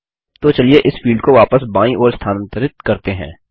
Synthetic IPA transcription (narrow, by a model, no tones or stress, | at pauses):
t̪oːt͡ʃɐlieʔɪsfiːlɖkoʋaːpəsbãːĩʔɔːɾst̪ʰaːnə̃nt̪əɾɪt̪kɐɾt̪eɦɛ̰̃ː